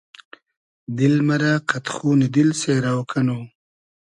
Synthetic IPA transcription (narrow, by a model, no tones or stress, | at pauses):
d̪ɪlmaɾaqat̪xuːnɪd̪ɪlseːɾawkʰano